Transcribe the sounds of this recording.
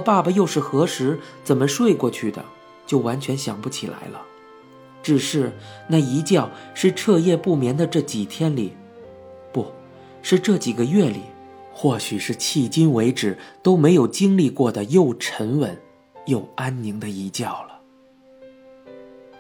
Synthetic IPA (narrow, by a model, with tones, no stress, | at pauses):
pa˥˩bə˩jo˥˧ʊʂɻ̩˥˩xɤ˧˥ʂɻ̩˧˥t͡sə˨˩nmə˦ʂwe˥˧ɪkwɔ˥˧t͡ɕʰy˥˩d̪ə̰˩ | t͡ɕjo˥˩ʊwa˧˥nt͡ɕʰɥɛ˧˥nɕjɑ˨˩ŋpu˥t͡ɕʰi˨˩la̰˧˥ɪlə˧ | ʈ͡ʂɻ̩˨˩ʂɻ̩˥˩na˥˩i˧˥t͡ɕjɑ˥˧ʊʂɻ̩˥˧ʈ͡ʂʰɤ˥˧jɛ˥˧pu˥˩mjɛ˧˥nd̪ə˧ʈ͡ʂɤ˥˩t͡ɕi˨˩t̪ʰjɛ˥nli˨˩˦ | pu˥˩ | ʂɻ̩˥˧ʈ͡ʂɤ˥˩t͡ɕi˨˩ɡə˦ɥɛ˥˩lḭ˨˩˦ | xwɔ˥˩ɕy˨˩ʂɻ̩˥˧t͡ɕʰi˥˩t͡ɕi˥nwe˧˥ɪʈ͡ʂɻ̩˨˩t̪o˥ʊme˧˥ɪjo˨˩ʊt͡ɕi˥ŋli˥˧kwɔ˥˩d̪ə˩jo˥˩ʊʈ͡ʂʰə˧˥nwə˧˥˦n | jo˥˩ʊa˥nni˧˥ŋd̪ə˧i˧˥t͡ɕjɑ˥˩ʊlə˩